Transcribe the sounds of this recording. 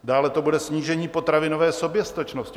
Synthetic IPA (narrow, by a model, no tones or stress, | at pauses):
daːlɛt̪o̞budɛsɲiːʒɛɲiːpot̪ɾavɪno̞vɛːso̞bjɛst̪at͡ʃnoscɪ